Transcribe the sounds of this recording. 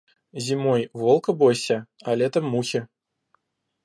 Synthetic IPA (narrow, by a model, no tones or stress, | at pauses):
zʲimɔjvɔlˠkɐbɔjsʲɐalʲɛt̪ɐmːuxʲi